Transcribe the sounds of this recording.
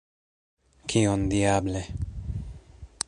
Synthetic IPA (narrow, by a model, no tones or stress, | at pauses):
kʰiond̪iable